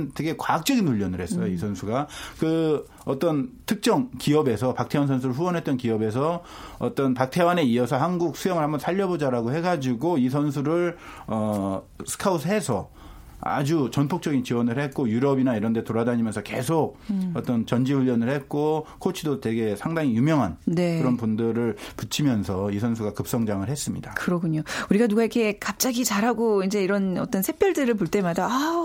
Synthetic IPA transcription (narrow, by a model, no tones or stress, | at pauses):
nte̞ɡe̞kwak̚t͡ɕ͈ʌɡinuʎːʌnɯɭhe̞s͈ʌjoisʰʌnsʰuɡakɯ | ʌt͈ʌntʰɯk̚t͡ɕ͈ʌŋkiʌbe̞sʰʌpak̚tʰe̞wans̬ʰʌns̬ʰuɾɯɭɸuwʌnɦe̞t͈̚ʌnkiʌbe̞sʰʌ | ʌt͈ʌnpak̚tʰe̞wane̞iʌsʰʌhanɡuk̚sʰujʌŋɯɭhambʌnsʰaʎːʌbod͡ʑaɾaɡohe̞ɡad͡ʑiɡoisʰʌns̬ʰuɾɯɭʌsʰɯ̥kʰausʰɦe̞sʰʌ | a̰d͡ʑut͡ɕʌnpʰok̚t͡ɕ͈ʌɡint͡ɕiwʌnɯɭhe̞t̚k͈ojuɾʌbinaiɾʌnde̞toɾadaɲimjʌnsʰʌke̞̰sʰok̚ʌt͈ʌnt͡ɕʌnd͡ʑiuʎːʌnɯɭhe̞t̚k͈okʰot͡ɕʰidotwe̞ɡe̞sʰaŋdaŋijumjʌŋɦanne̞kɯɾʌnpundɯɾɯɭput͡ɕʰimjʌnsʰʌisʰʌnsʰuɡakɯp̚s͈ʌŋd͡ʑaŋɯɭhe̞s͈ɯmɲidakɯɾʌkʰuɲouɾiɡanuɡaiɾkʰe̞kap̚t͡ɕ͈aɡit͡ɕaɾɦaɡoind͡ʑe̞iɾʌnʌt͈ʌnsʰe̞pʰjʌɭdɯɾɯɭpoɭt͈e̞madaa